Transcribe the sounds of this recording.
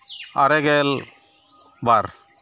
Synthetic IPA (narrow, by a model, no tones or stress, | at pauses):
aɾɛɡɛl | baɾ